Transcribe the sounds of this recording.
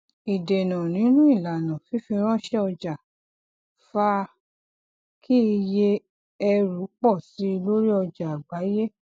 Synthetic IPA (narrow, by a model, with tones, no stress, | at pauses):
i˨de˨nã˨nĩ˨˦nũ˦i˦˨la˨nã˨fi˨˦fi˧ɾ̃ã˦ʃɛ˦ɔ˧d͡ʒa˨ | fa˧˦ | kʰi˦i˧je˧ | ɛ˧ɾu˨˦k͡pɔ˦˨si˨˦i˧lo˦ɾi˦ɔ˧d͡ʒa˨ɡ͡ba˨˦je˦